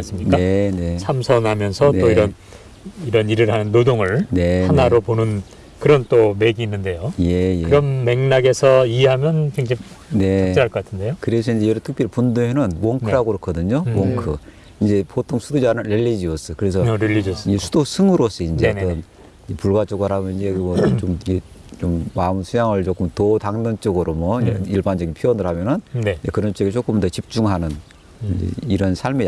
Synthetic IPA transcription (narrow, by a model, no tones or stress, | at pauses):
s͈ɯmɲink͈aene̞sʰamsʰʌnɦamjʌnsʰʌnteoiɾʌn | iɾʌniɾɯɾhanɯnːodoŋɯɭnehanaɾoponɯn | kɯɾʌnt͈omeɡiːnːɯnde̞joje̞jeɯɾʌmːe̞ŋnaɡe̞sʰʌieɦamjʌnkeŋd͡ʑʌp | ne̞at͡ɕiaɭkʌk͈atʰɯnde̞jokɯɾe̞sʰʌind͡ʑe̞jʌɾɯtʰɯk̚pjiɾpunduenɯnmoŋkʰɾaɡoɾokʰʌdɯɲomoŋkʰɯ | ind͡ʑe̞pʰotʰoŋsʰudud͡ʑanɯnɾeʎːid͡ʑiʌs͈ʌkɯɾe̞sʰʌɾeiind͡ʑesʰudosʰɯŋɯɾos͈ʰʌind͡ʑetʌn | d͡ʑepuɭɡwat͡ɕ͈ʌɡɯaɾabʌnind͡ʑemʌt͡ɕomie | t͡ɕomːamsʰujaŋɯɭt͡ɕok͈ʰɯmtotaŋnɯnt͡ɕ͈ʌɡɯɾomwʌiiɭband͡ʑʌɡinpʰiʌnɯɭhamjʌnɯnnd͡ʑekɯɾʌnt͡ɕeɡeɭt͡ɕ͈ʰok͈ʰɯmndet͡ɕip̚t͡ɕ͈uŋɦanɯn | ind͡ʑḛiɾʌnsʰaɭme